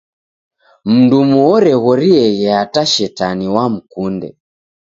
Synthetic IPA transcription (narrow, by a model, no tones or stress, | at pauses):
m̩ndumuɔɾɛɣɔɾiɛɣɛataʃɛtaniwam̩kundɛ̰